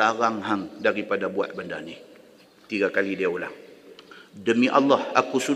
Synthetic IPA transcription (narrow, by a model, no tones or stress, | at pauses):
aɾaŋɦaŋdaɾipadabua̰t̪̚bəndani | t̪iɡakalidiaula̰h | dəmiʔa̰lːahakusu